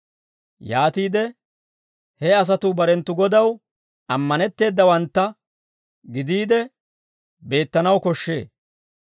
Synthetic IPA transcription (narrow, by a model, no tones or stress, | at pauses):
jaːt̪iːd̪ɛ | hɛɐs̬ɐt̪uːbɐɾɛnt̪ːʊɡɔd̪ɐw | ɐmːɐnɛt̪ːe̞ːd̪ːɐwɐnt̪ːɐ | ɡɪd̪iːd̪ɛ | be̞ːt̪ːɐnɐwkɔʃːe̞̰ː